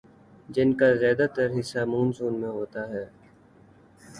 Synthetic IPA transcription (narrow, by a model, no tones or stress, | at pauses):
d͡ʒɪnkaːzjaːd̪aːt̪əɾɦɪsːaːmuːnzuːnmẽɦoːt̪aːɦɛː